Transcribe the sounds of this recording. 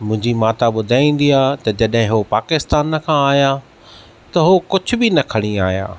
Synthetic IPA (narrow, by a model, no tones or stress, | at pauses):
mʊ̃ɦɪ̃ɲd͡ʑimaːt̪aɓʊd̪ʱaːĩːn̆d̪iaːt̪ɐd͡ʑɐɗɦɪ̃ɦopaːkɪst̪aːnkʰãaːɦja | t̪ɐɦokʊd͡ʑʱʊ̆bɪnɐkʰɐɽ̃iaːja̰ː